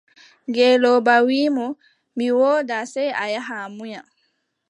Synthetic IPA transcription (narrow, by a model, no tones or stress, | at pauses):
ɡɛlɔbawiːmɔ | miwɔːdasɛjajaɦamujam